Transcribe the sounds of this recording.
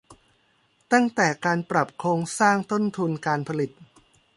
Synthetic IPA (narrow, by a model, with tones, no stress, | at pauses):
t̪a˥˩ŋt̪ɛː˨˩kaː˧npɾa˨˩p̚kʰloː˧ŋsaː˥˩ŋt̪o˥˩nt̪ʰu˧nkaː˧npʰa˧li˨˩t̪̚